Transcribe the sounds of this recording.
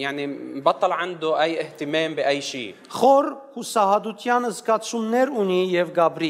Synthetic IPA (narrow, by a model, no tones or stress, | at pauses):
jaʕnibɑt̪ˤːɑlʕand̪ʊʔæjːɪht̪imɛːmbiʔæjːʃiː | χɔɾhusɑhɑd̪ut̪ʰjɑnəzɡɑt͡sʰumnɛɾunijɛvɡɑbɾi